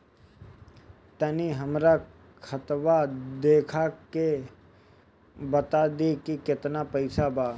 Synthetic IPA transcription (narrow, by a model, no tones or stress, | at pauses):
t̪ɐniɦəmɾa | kʰɐt̪ʋad̪eːkʰake | bɐt̪ad̪ekikɪt̪napɐɪsabaː